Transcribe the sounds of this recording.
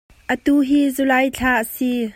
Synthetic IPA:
ʔət̪uːɦiːzulajt͡ɬʰaːʔəsi

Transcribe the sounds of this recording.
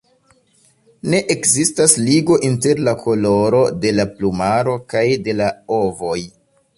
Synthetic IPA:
ne̞ʔekzistasliɡo̞ʔinte̞ɾlakʰo̞lo̞ɾo̞de̞laplumaɾo̞kajde̞lao̞vo̞j

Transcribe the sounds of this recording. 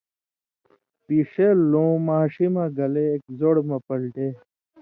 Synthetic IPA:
piʂelõːmaːɕimaɡɐleːk̚zoɽmɐpɐlʈeː

